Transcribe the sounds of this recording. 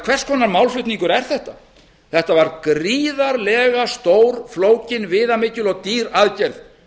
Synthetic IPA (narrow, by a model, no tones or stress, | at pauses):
kʰv̥ɛrskʰɔːnaɾmawlflʏt̪niŋkʏɾɛɾ̥θɛht̪a | θɛht̪avaɾkɾiːðaɾlɛːɣast̪oːwɾ̥floːwcɪnvɪːðamɪcːʏlɔɣt̪iːɾaðcɛɾð